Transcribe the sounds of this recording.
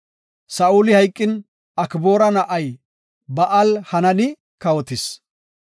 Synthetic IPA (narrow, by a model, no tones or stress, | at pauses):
sɐʔuːlɪhɐjkʼːɪn | ɐkboːɾɐnɐʔɐj | bɐʔɐlhɐnɐnɪ | kɐwɔt̪ɪs